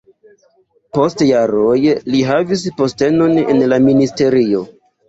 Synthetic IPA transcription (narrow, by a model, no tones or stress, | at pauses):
po̞stjaɾo̞jliɦavis̬po̞ste̞no̞nḛnlaministe̞ɾio̞